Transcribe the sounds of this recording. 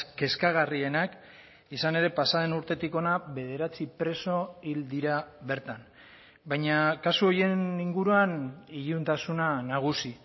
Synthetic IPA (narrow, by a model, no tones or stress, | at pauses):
ke̞skaɣ̞arie̞nak | isane̞ɾe̞pasaðe̞nuɾt̪e̞t̪iko̞naβe̞ð̞e̞ɾat͡sipɾe̞so̞ild̪iɾaβe̞ɾt̪an | bajɲakasuo̞je̞niŋɡuɾuaniʎunt̪asunanaɣ̞usi